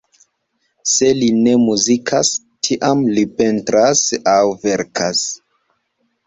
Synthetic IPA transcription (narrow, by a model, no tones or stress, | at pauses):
se̞line̞muzikʰas | tʰiʔamlipe̞ntɾasawve̞ɾkʰas